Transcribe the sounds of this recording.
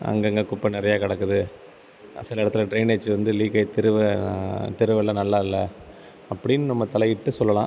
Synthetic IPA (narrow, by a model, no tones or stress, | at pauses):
ɐ̰ŋɡɐŋɡɐkʊpːɐnɪɾɐjaːkɐɽɐkːɯðɯ | sɪlɐɪɽɐt̪ːɯlɐɖɾɐɪneːd͡ʒɯʋɐnd̪ɯliːkɐɪt̪ɪɾɯʋɐt̪ɪɾɯʋɛlːãːnɐlːaːɪlːɐ | ɐpːɐɽɪnːɯnɐmːɐt̪ɐlɐjɪʈːɯsɔlːɐlãː